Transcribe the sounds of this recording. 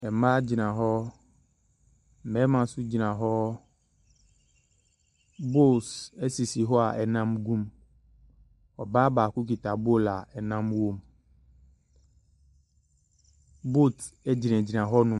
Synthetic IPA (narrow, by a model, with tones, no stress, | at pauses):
ɛ˨ma˦d͡ʑi˨nã˨ɦɔ˦ | mɛ˨˦mã˨su˦d͡ʑi˨nã˨ɦɔ˦ | bo˦˨se˦si˨si˨ɦɔ˦a̰˨ʔɛ˨nã˦mɡu˦m | ɔ̰˨ba˦ba˨ku˦k̬i˨t̪a˨bo˦la˨ɛ˨nã˦mwo˦m | bo˦t̪e˦d͡ʑi˨nɛ̃˨d͡ʑi˨nã˨ɦɔ˦nũ˦